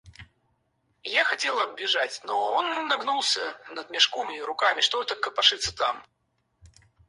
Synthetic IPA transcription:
jaxɐtʲelˠɐbbʲɪʐat͡sʲnɔonːɐɡnulˠsʲənɐd̪mʲɪʂkomʲɪɾʊkamʲɪʂt̪ɔt̪əkəpɐʂɨt̪sːə̥t̪a̰m

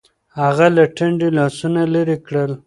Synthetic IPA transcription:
haɣalaʈaɳɖilɑsunaləɾikɽəl

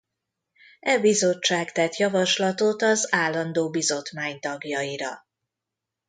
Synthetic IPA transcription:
ɛbizo̞t͡ʃːaːkt̪ɛt̪jɒvɒʃlɒt̪ot̪ɒzaːlːɒnd̪oːbizo̞t̪maːɲt̪ɒɡjɒiɾɒ̰

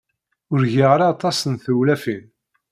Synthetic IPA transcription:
ʊɾʝiʁɾɑːt̪ˤɑsənθuwlæfin

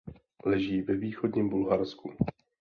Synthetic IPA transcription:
lɛʒiːvɛviːxodɲimbulɦaɾsku

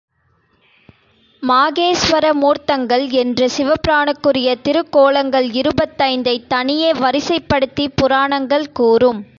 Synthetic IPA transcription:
maːɣeːsʋɐɾɐmuːɾt̪ːɐŋɡɐɭɛndrɯsɪʋɐpɾaːɳɯkːɯrɪjɐt̪ɪɾɯkːoːɭɐŋɡɐɭɪɾɯbɐt̪ːɐɪnd̪ɐɪt̪ːɐɳɪjeːʋɐɾɪsɐɪpːɐɽɯt̪ːipːʊɾaːɳɐŋɡɐɭkuːrɯm

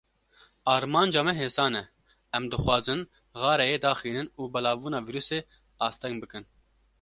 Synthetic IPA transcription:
ɑːɾmɑːnd͡ʒɑːmɛɦeːsɑːnɛ | ɛmd̪ɨxwɑːzɨn | ɣɑːɾɛjeːd̪ɑːxiːnɨnuːbɛlɑːbuːnɑːviːɾuːseː | ɑːst̪ɛŋɡbɨkɨn

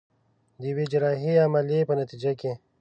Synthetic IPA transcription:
d̪iwed͡ʒɾɑːɦiamalepənɐt̪id͡ʒake

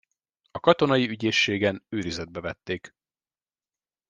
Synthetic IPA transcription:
ɒkɒt̪o̞nɒjiyɟeːʃːeːɡɛnøːɾizɛd̪̚bɛvɛt̪ːeːk

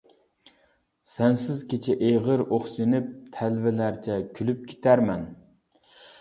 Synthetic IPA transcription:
sɛnsɪzkʲet͡ʃʰɛʔeʁəɾoχsinɪp̚t̪ʰælvɪlæɾt͡ʃʰɛkʲʰylyp̚kʲʰe̥t̪ʰæɾmɛn

